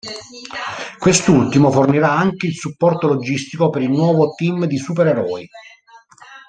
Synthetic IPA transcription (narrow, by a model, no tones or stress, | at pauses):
kwest̪ult̪imoforniɾaaŋk̟eilsupːɔrt̪olod͡ʒist̪ikopeɾilnwɔːvot̪imd̪isup̬eɾeɾɔj